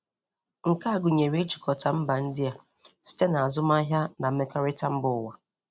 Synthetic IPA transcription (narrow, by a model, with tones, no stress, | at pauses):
ŋ̩˨ka˦a˨ɡʊ˨ɲe˨ɾe˦t͡ʃi̥˨kʰɔ˨ta˨m̩˦ba˨n̩˦dɪ˦a˨ | si̥˦te˦na˨a˨zʊ˦ma˦ɦja˦na˨m̩˦me˦ka˦ɾɪ˦ta˦m̩˦bʊ˨wa˨